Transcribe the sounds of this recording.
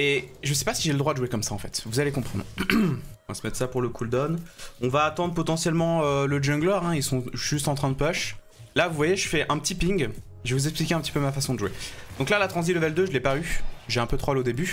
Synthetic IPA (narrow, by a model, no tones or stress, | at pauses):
eʒəs̬ɛ̥pasiʒeləd̪ʁwad̪əʒwekɔmsaɑ̃fɛt̪vuzalekɔ̃pχɑ̃d̪ʁ | ɔ̃vasəmɛt̪sapuʁləkʰuld̪ɔnɔ̃vaːt̪ɑ̃d̪ʁəpɔt̪ɑ̃sjɛlmɑ̃øləd͡ʒɔ̃ɡlœʁɛ̃ilsɔ̃ʒ̥yst̪ɑ̃t̪χɛ̃d̪əpœʃ | lavuvwajeʒəfɛʔɛ̃pət̪ipiŋɡ | ʒevuzɛksplikʲeɛ̃pət̪i̥pømafasɔ̃d̪əʒwed̪ɔ̃klalat̪χɑ̃ziləvɛld̪øʒəlɛpayʒeɛ̃pøt̪χɔlod̪eby